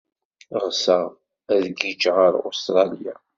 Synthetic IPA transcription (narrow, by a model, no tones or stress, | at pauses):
ʁsəʁ | æðɡid͡ʒʁəɾo̰st̪ɾˤɑlija̰